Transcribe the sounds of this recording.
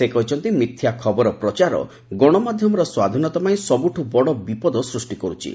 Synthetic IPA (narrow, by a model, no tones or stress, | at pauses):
sekɔɦut͡ʃʰɔnt̪imit̪ʰjakʰɔbɔɾɔpɾɔt͡ʃaɾɔ̰ | ɡoɽ̃ɔmad̪ʱjɔmɔɾɔswad̪ʱinɔt̪ɔpaĩsɔbuʈʰubɔɽɔbipɔd̪ɔsɾusʈikɔɾut͡ʃʰḭ